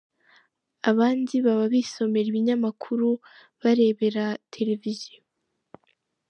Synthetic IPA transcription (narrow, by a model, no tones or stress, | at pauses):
aβaːndiβaβaβiso̞me̞ɾiβiɲamakʰuɾu | βaɾe̞ːβe̞ɾatʰe̞ɾe̞vizo